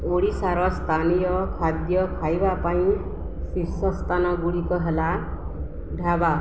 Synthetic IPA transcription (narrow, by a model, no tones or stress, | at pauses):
oɽisaɾɔst̪ʰanijɔkʰad̪jɔkʰajbapaĩ | sisɔst̪ʰanɔɡuɽikɔɦela | ɖʱaba